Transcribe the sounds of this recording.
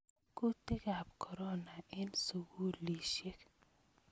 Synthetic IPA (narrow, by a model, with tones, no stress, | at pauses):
ku˦t̪e˦ka˨p̚kʰɔ˨ɾɔ˦na˨ɪ˦nsʊ˨ɡu˦li˨ʃe˦k